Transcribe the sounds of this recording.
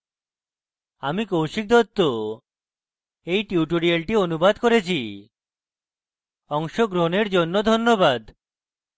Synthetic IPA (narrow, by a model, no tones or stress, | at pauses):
amikowʃik̚d̪ɔt̪ːo | ejʈiuʈoɾialʈionubad̪koɾet͡ɕʰi | ɔŋʃoɡɾoɦneɾd͡ʑonːod̪ʱonːobad̪